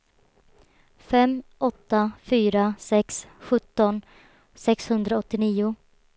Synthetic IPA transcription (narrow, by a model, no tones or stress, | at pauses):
fɛmʔɔt̪ːafyːɾasɛksɧɵt̪ːɔn | sɛkshɵnd̪ɾaɔt̪ːɪniːʊ